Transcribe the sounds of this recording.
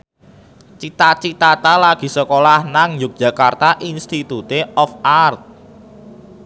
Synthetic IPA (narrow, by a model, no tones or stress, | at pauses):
t͡ʃit̪at͡ʃit̪at̪alaɡ̥i̤səkolahnaŋjʊk̚dʒ̥a̤kart̪aʔinst̪it̪ut̪eɔfart̪̚